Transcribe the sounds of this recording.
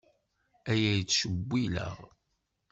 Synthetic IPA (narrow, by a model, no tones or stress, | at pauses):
æjæjət͡sːʃəbʷːilə̰ʁ